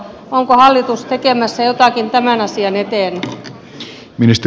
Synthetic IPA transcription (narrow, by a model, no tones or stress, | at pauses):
oŋkohɑlːit̪ust̪ekemæsːæjot̪ɑˑkint̪æmænɑsiɑnet̪eˑːny | minist̪